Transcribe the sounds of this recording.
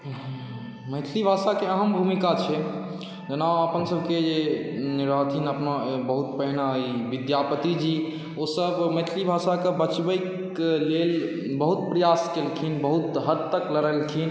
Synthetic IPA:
məjt̪ʰlibʱaʃakeəɦəmbʱumikat͡ʃʰɛ | d͡ʒənaəpənsəbʱked͡ʒeniɾat̪ʰinəpnabəɦut̪̚pəɦnaiʋid̪japət̪id͡ʒi | osəbməjt̪ʰlibʱasakebət͡ʃbəjk | lel | bəɦut̪̚pɾəjaskelkʰinbəɦut̪ɦəd̪t̪əkləɾəlkʰin

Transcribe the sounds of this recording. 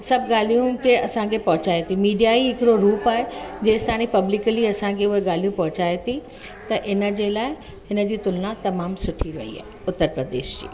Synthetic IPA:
sɐbʱɡaːl̤ijũkʰeɐsãkʰepɐɦʊt͡ɕaːet̪ʰimiːɖijaiɦɪkɪɾoɾuːpaːɦed͡ʑeːst̪ʰaːɽ̃ipɐblɪkəliɐsãkʰeʊɦeɡaːl̤ijũpɐɦʊt͡ɕaːet̪ʰi | t̪ɐʔɪnə̆d͡ʑelaːɪ | ɦɪnə̆d͡ʑiːt̪ʊlnãt̪ɐmaːmsʊʈʰiɾɐ̰ɦḭa̰ːeʊt̪ːəɾpɾəd̪ḛːʃd͡ʑḭː

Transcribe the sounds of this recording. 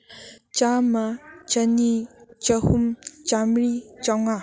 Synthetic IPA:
t͡ʃamat͡ʃɐnit͡ʃɐhumt͡ʃamɾit͡ʃaŋa

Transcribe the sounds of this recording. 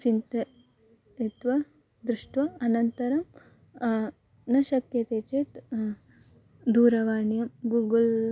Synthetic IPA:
t͡ʃint̪ɐ | it̪ʋɐ | d̪ɾuʂʈʋɐɐnɐnt̪ɐɾɐm | nɐʃɐkjɐt̪eːt͡ʃet̪ | d̪uːɾɐʋaːɳjɐmɡuɡul

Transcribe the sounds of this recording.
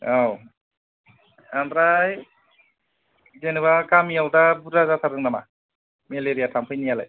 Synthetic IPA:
aw | amdɾaj | zenɯβakamijawdabudazat̪ʰadɯŋnama | meleɾijatʰampʰɯjnijala̰j

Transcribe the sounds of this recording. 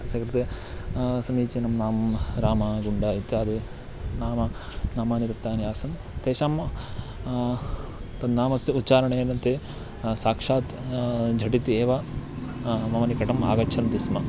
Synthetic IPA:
t̪ɐsɐkɾit̪e | sɐmiːt͡ʃinɐmnaːmɾaːmaɡuɳɖaːit̪jaːd̪e | naːmɐnaːmaːnit̪ɐt̪jaːnijaːsɐn | t̪eːʃaːm | t̪ɐd̪naːmɐsjɐut̪ːt͡ʃaːɾɐɳenɐnt̪e | saːkʂaːt̪d͡ʒʱɐʈit̪ieːʋɐ | mɐmɐnikɐʈɐma̰ːɡɐt͡ʃʰɐnt̪ismɐ

